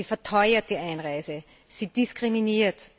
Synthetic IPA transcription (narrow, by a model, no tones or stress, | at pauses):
iːfɛɐtʰɔʏɐt̚d̥iːʔaɪnʁaɪzə | siːd̥iskʁ̥iminiːɐt